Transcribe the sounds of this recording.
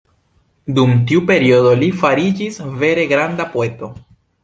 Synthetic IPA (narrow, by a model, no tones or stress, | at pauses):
dumtiupe̞ɾiodo̞lifaɾid͡ʒisve̞ɾe̞ɡɾandapoe̞to̞